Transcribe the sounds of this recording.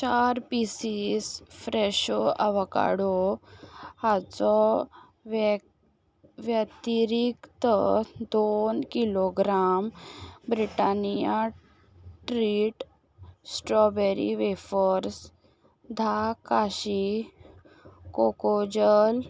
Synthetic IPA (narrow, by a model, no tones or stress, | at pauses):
t͡ɕaɾpisisfɾɛɕoʔəʋka̰ɽo | hat͡sɔ | ʋjət̪iɾikt̪əd̪onkiloɡɾambɾiʈanija | ʈɾiʈ | sʈɾɔbeɾḭʋefəɾs | d̪ʱakaɕi | kokod͡ʑəl